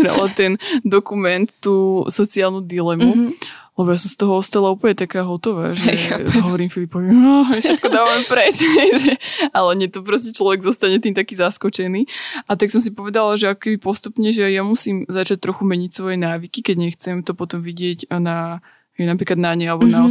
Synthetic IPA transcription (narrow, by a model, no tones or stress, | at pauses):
ɾa̰lat̪ɛnd̪ɔkumɛnt̪ːuːsɔt͡siaːlˠnud̪ilɛmulɛbɔjas̬ɔmst̪ɔɦɔɔst̪aːlauːpl̩ɲɛt̪akaːɦɔt̪ɔʋa̰ːʒɛɦɔʋɔɾiːmfilipɔʋiafʃɛt̪̚kɔd̪aːʋamɛmpɾɛt͡ʃɛʒɛalɛɲɛt̪ɔpɾɔscɛt͡ʃlɔʋɛɡzɔst̪aɲɛt̪iːmt̪akiːzaskɔt͡ʃɛniːʔat̪aksɔms̬ipɔʋɛd̪alaʒɛakɔ̥kɛbipɔst̪upɲɛʒɛajamusiːmzat͡ʃac̚t̪ɾɔxumɛɲicsʋɔjɛnaːʋikikɛɟɲɛxt͡sɛmt̪ɔpɔt̪ɔmʋiɟɪɛɟna | ɦɛnapɾiːklad̪naɲɛalɛbɔna